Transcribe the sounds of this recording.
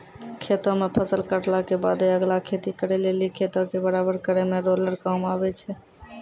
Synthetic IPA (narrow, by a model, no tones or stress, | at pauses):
kʰet̪ɔ̃mepʰəsəlkəʈlakebad̪eəɡlakʰet̪ikəɾɛlelikʰet̪ɔ̃kebəɾabəɾkəɾɛmeɾoləɾkamabɛt͡ʃʰɛ